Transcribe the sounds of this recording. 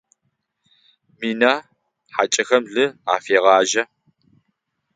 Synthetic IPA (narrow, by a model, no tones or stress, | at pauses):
miːnaː | ħat͡ʃʼɐxɐmɮɨa̰ːfeːʁɑːʒɐ